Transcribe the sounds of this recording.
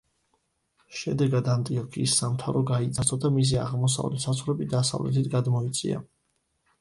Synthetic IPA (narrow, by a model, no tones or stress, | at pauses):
ʃɛd̪ɛɡad̪ant̪ʼiɔkʰiːsːamt̪ʰavɾɔɡait̪zʰʼat̪sʰʼɔd̪amis̬ia̰ʁmɔs̬a̰vlɛ̰t̪sasχɾɛbid̪asa̰vlɛ̰t̪ʰit̪ʰɡad̪mɔit̪sʼḭa̰